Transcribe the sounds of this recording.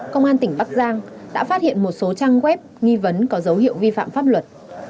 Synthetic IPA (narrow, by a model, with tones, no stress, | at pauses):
kə˧wŋ͡mʔaː˧nt̪ï˨˩ŋ̟ɓa˦˥k̚zaː˧ŋɗa̰ː˧˥faː˦˥t̚hḭ˧˨ənmo˨˩t̚so˨˦t͡ɕaː˧ŋɣwɛ˦˥p̚ŋi˧və˨˦nkɔ˨˦zə˨˦whḭ˧˨əwvi˧fa̰ː˧˨mfaː˦˥p̚lwə˨˩t̚